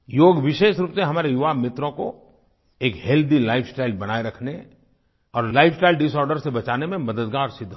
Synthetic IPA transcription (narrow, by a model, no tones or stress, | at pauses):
joːɡʋɪʃeːʃɾuːpseɦɐmaːɾejʊʋaːmɪt̪ɾõko̰ | eːkɦɛld̪ʱilaːɪfsʈaːɪlbɐñaːeɾɐkʰne | ɔːɾlaːɪfʰsʈaːɪlɖɪsɔːɾɖəɾsebɐt͡ʃaːnemẽmɐd̪əd̪ɡaːɾsɪd̪ʱː